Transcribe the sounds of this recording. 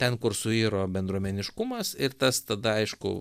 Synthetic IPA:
t̪ʲɛnkʊɾsʊiːɾoːbʲɛnd̪ɾuɔmʲɛnʲɪʃkʊmɐsɪɾt̪ɐst̪ɐd̪ɐɐɪʃkʊ̰

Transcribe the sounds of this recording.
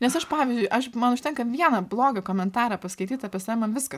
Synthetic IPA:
nʲɛsɐʃpɑːʋʲɪzʲd͡ʒʲʊɪʔɐʃmɐnʊʃʲt̪ʲɛŋkɐʋʲiɛnɐblˠoːɡɐkoːmʲɛnt̪ɑːɾɑpɐskɐɪt̪ʲiːt̪ɐpʲɛsɛmɐnʋʲɪskɐ

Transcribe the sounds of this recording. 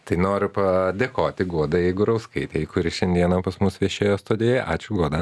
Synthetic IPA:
t̪ɐɪnoːɾʲʊpɐd̪ʲeːkoːt̪ʲɪɡuɔd̪ɐjɛɪɡʊɾɐʊskɐɪt̪ʲeɪkʊɾʲɪʃʲɛnʲd̪ʲiɛnɐpɐsmʊsʋʲiɛʃʲeːjoːst̪oːd̪ʲeːjɛʔɑːt͡ʃʲʊɡuɔd̪ɐ

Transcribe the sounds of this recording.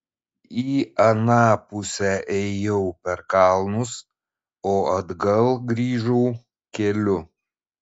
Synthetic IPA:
iːɐnɑːpʊsʲɛʔɛjɛʊpʲɛɾkɑˑlˠnʊs | oːɐd̪ɡɐlˠɡɾʲiːʒɔʊ | kʲɛlʲʊ

